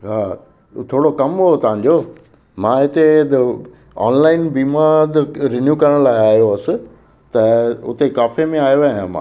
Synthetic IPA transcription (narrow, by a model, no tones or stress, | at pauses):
ɦaː | t̪ʰoːɽokɐmɦot̪ɐʋɦãɲ̆d͡ʑoː | mãːɦɪt̪ed̪ | ɔ̰ːnlaːɪnbiːmad̪ɪɾɪnjuːkɐɾəɽ̃laːɪaːɦjoɐsɪ̆ | t̪ɐʊ̰t̪ekaːfemẽaːjoʋaɦãmã̰